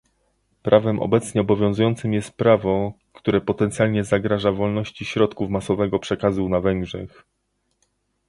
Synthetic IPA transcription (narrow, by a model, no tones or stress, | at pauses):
pɾʔavɛmʔɔ̰bɛt̪sɲɛɔbɔvʲjɔ̃ñzujɔnt̪sɘmjɛst̪̚pɾavɔkt̪uɾɛpɔt̪ɛnt̪sʲjalɲɛzaɡɾaʐavɔlnɔɕt͡ɕiɕɾɔt̪kufmasɔvɛɡɔpʂɛkazunavɛŋɡʐɛx